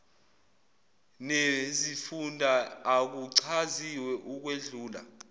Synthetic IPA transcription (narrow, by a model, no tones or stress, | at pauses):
nezifundʱaːk̬uǀʰaziwɛʔuk̬weɮuːla̰